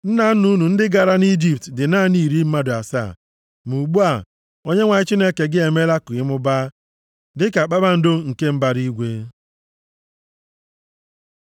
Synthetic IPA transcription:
n̩˦na˨n̩˦nu˦nu˨n̩˦dɪ˦ɡa˨ɾa˦ni˦d͡ʒi˨p̚tdɪ˨na˦ni˦˨ɾi˦m̩˦ma˦dʊ˨a˨sa̰ː˦˨ | mu˨ɡ͡bu˦a˨ | o˦ɲe˦ŋʷa˨ɲɪ˦t͡ʃi˦ne˦ke˨ɡɪ˦e˨me˦la˦kʊ˨ɪ˦mʊ˦ba˦ | dɪ˦ka˨k͡pa˦ba˦n̩˦do˦ŋ̩˨ke˦m̩˦ba˨ɾi˦ɡʷe˦

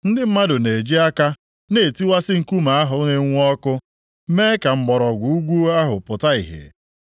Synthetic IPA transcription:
n̩˦dɪ˦m̩˦ma˦dʊ˨ne˨d͡ʒi˦a˦ka˦ | ne˦˨ti˦wa˦sɪ˦ŋ̩˨ku˦ma˨a˦ɦʊ˨˦ɲe˦ŋʷ˦ɔ˦kʊ˦ | meː˦ka˨ŋ͡m̩˨ɡ͡bɔ˨ɾɔ˨ɡʷu˨u˦ɡʷu˦a˦ɦʊ˨pʊ˨ta˦ḭ˨ɦḛ˨

